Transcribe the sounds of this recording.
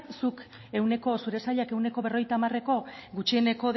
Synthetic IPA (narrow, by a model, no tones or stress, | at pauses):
suk | e̞wne̞ko̞suɾe̞saʎake̞wne̞ko̞βe̞ro̞jt̪aːmare̞ko̞ɡut͡ʃiene̞ko̞ð